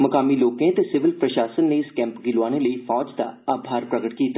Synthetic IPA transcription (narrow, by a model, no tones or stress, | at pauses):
məkaːmiːloːkẽt̪eːsɪʋɪlpɾəʃaːsənːeːɪskɛ̃ːmpɡɪlaːneːləiːfʰɔːd͡ʒd̪a̰ːaːbʱaːɾpɾəɡəʈkiːt̪aː